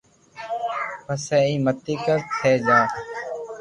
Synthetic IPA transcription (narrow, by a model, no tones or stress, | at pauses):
pəsɛːiːmət̪ːiːkəɾt̪ʰeːd͡ʒaː